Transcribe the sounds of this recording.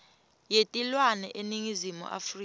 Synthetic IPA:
jetʼilwanɛʔeniŋizimṵʔa̰fri

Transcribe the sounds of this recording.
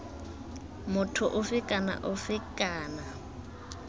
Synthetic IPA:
mʊtʰʊʔʊfɪkʼana̰ʔʊfɪkʼaːna

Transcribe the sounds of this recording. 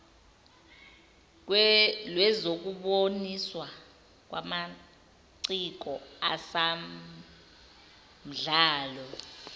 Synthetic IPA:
lwɛzok̬uɓoniswa | k̬wa̰ma | ǀik̬ɔasa | m̩ɮaːlɔ

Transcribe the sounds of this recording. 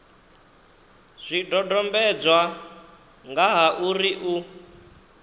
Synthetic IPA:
z̥ʷidɔdɔmbɛd͡zwa | ŋɡaɦaʔuɾiʔu

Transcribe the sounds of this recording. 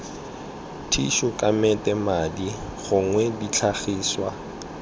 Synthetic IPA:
tʰiʃʊkʼamɛtʼɛmadiɣʊŋwɛdit͡ɬʰaɣiːswa

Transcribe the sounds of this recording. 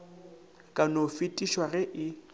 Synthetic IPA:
kʼanofɪtʼiʃwarɛʔɪ

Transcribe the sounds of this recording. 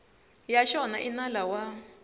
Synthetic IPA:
jaʃɔnaʔinalawa

